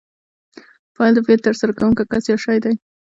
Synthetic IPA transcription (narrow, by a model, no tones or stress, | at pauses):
pɑld̪əfket̪aɾsaɾakawuŋkakasjɑʂajd̪aj